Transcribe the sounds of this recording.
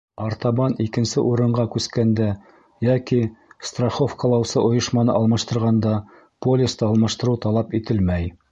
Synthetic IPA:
ɑɾt̪ɑβɑnikɘ̆nsɘʔuɾɤ̆ɴɢɑkʉskænd̪æ | jækist̪raχofkɑlˠɑwsɤʔŏjɤ̆ʃmɑnɤ̰ʔɑlˠmɑʃt̪ɤ̆ɾʁɑnd̪ɑ | polʲɪst̪ɑɑlˠmɑʃt̪ɤ̆ɾɤwt̪ɑlˠɑpit̪ɘlmæj

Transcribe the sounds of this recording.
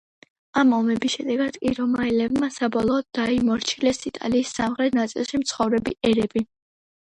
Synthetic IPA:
amɔmɛbisʃɛd̪ɛɡad̪̥kʼiɾɔmailɛbmasabɔlˠɔːd̪̚d̪ːaimɔɾt͡ʃʰilɛsit̪ʼa̰liːsːamχɾɛt̪ʰnat̪sʼḭlˠʃimt̪sʰχɔvɾɛbiʔɛɾɛbi

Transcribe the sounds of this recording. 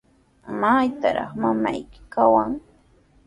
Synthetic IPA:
majt̪aɾɑ̰χmama̰jkɪ̥kawaŋ

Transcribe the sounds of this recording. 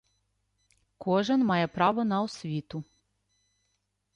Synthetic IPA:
kʰoʒɛnmajɛpɾaʋɔnaɔsʋʲit̪u

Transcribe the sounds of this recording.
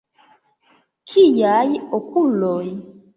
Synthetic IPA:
kʰijajiokulɔi

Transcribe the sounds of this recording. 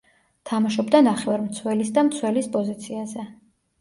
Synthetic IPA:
t̪ʰamaʃɔbd̪anaχɛvaɾmt̪sʰwɛlisd̪amt̪sʰwɛlispʼɔzit̪sʰiazɛ

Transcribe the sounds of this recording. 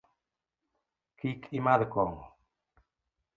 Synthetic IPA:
kʰikʰʼimaðkɔŋɔ

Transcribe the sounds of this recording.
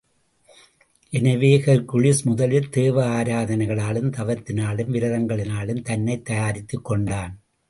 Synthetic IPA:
ʔɛnɐʋeːɣɐɾkʊɻɪsmʊðɐlɪlt̪eːʋɐaːɾaːðɐnɐɪɣɐɭaːɭɯmt̪ɐʋɐɾt̪ːɪnaːɭɯmʋɪɾɐðɐŋɡɐɭɪnaːɭɯmt̪ɐnːɐɪt̪ːɐjaːɾɪt̪ːɯkːɔɳɖaːn

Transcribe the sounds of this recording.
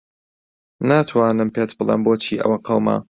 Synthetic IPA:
naːt̪ʰwaːnɨmpeːt̪bɨlˠḛːmboːt͡ʃʰiːʔɐ̰wɐqʰɐwma̰

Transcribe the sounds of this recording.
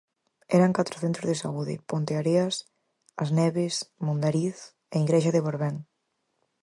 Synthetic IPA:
ɛɾɐŋkat̪ɾoθent̪ɾozðesauðɪ̰pont̪eaɾeas | ɐznɛβesmõnd̪aɾiθ | eiɣɾeʃaðeβoɾβɛŋ

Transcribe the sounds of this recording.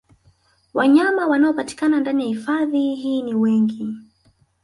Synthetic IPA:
waɲamawanaɔpati̥kanandanijahifaðiɦiːniwɛŋɡi

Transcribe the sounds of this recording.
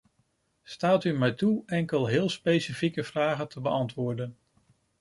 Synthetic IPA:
staːtymɛjtuɛŋkəlˠɦɪːlˠspejsifikəvraːχəntʰəbəʔɑntʋʊːɹdən

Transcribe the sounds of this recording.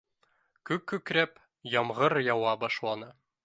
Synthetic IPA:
kʉkːɵkɾæp | jɒmʁɤɾjɒwɑbɒʃlˠɑnɤ

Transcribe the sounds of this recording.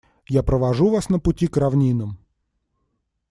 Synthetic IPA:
japɾəvɐʐuvasnəpʊtʲikrɐvnʲinɨm

